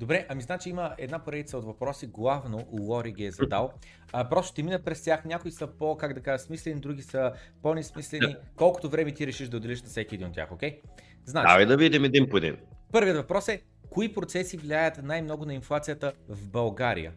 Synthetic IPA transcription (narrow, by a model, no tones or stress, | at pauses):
d̪obɾɛʔɐmiznat͡ʃiiməɛd̪napoɾɛd̪it̪səot̪vɐpɾɔsiɡlˠavnolˠɔɾiɡʲiɛzɐd̪alˠ | pɾɔst̪ʊ̥t̪ɛminəpɾɛst̪ʲaxnʲakʊisəpokaɡd̪ɐkaʒəsmislɛnid̪ɾuɡʲisəponɛsmislɛnikɔlˠkʊ̥t̪ovɾɛmɛt̪iɾɛʃiʃd̪ɐod̪ɛlʲiʃnɐfsɛkʲiɛd̪inot̪tʲːja̰xokʲɛj | znat͡ʃavid̪ɐvid̪ʲit̪ɛmɛd̪inpod̪ḭnpɤɾvijət̪vɐpɾɔsɛ | koipɾot̪sɛsivlʲiajət̪najmnɔɡʊnɐinflˠat̪sijət̪əvbɐlˠɡaɾḭjə̰